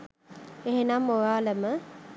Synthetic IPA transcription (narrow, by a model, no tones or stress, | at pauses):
eɦenamoʋaːləmə